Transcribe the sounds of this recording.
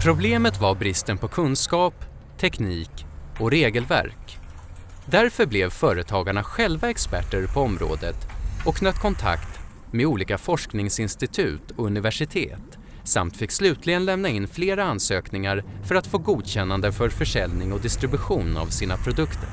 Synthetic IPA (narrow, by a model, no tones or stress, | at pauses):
pʰɾʊbleːmət̪vaɾbɾɪst̪ənpʰɔkʰɵnskɑːp | t̪ʰɛkniːkɔɾeːɡəlvæ̰ɾk | d̪æɾfœɾblɛvfœːɾət̪ʰɑːɡaɳaɧɛlvaɛkspæʈːəɾpʰɔɔmɾo̰ːd̪ət̪ɔkːnœt̪ːkʰɔnt̪ʰa̰kt̪ | meuːliːkafɔʂknɪŋsɪnst̪ɪt̪ʰʉ̟ːt̪ɔɵnɪvæʂɪt̪ʰḛːt̪ | sa̰mt̪fɪkːslʉ̟ːt̪ʰlɪɡənlɛmnaɪnfleːɾaansøːknɪŋaɾfœɾat̪foːɡuːd̪ɕɛnːand̪əfœɾfœʂɛlnɪŋɔd̪ɪst̪ɾɪbɵɧuːna̰vsiːnapʰɾʊd̪ɵkt̪ʰə̰ɾ